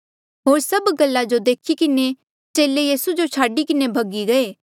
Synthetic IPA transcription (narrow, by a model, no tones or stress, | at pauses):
ɦoːɾsɐbɡɐlːad͡ʒod̪eːkʰikɪne | t͡ʃeːlejiːsud͡ʒot͡ʃʰaːɖikɪnebʱɐɡiɡɐeː